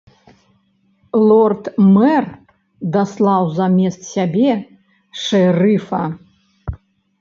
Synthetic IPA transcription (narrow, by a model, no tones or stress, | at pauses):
lˠɔrt̪mɛr | d̪aslˠawzamʲɛst̪sʲabʲɛ | ʂɛrɨfɐ